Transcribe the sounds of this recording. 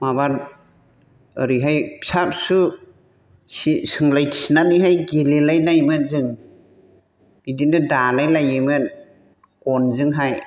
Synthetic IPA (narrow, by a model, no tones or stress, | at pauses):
mabaɾ | ɯɾiɦajpsap̚su | sisɯŋlajsinaniɦajɡilelajnajmɯnzɯŋ | b̥idinɯdanajlajɯmɯn | kɔnzɯŋɦaj